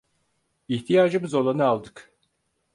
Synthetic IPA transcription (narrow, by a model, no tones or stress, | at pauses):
iht̪ʰijaːd͡ʒɯmɯzo̞lˠanɯalˠd̪ɯk